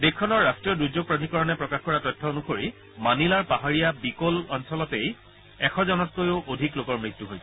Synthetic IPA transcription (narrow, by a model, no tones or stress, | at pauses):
dekʰːɔnɔɹːastɹijɔɹduzoɡ̚pɹadʱikɔɹɔnɛpɹɔkaxkɔɹatɔjtʰːɔonukoɹi | manilaɹpaɦaɹijabikolɔnsɔlɔtej | ɛxʰɔzɔnɔt̚kojoʔodʱiklokɔɹmɹit̪ːuɦojtʰ